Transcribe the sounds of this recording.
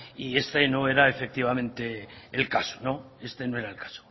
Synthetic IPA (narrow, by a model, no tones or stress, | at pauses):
ie̞st̪eno̞e̞ɾaefek̚t̪iβamẽ̞nt̪e̞ːlkaso̥no̞ | e̞st̪e̞noe̞ɾaelkḁso̥